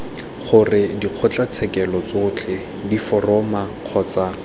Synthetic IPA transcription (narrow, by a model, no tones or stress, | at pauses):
χʊrɪdiq͡χʰɔt͡ɬat͡sʰɛkɛlɔt͡sʊːt͡ɬʰɛ | difɔrɔmaq͡χʰɔːt͡sa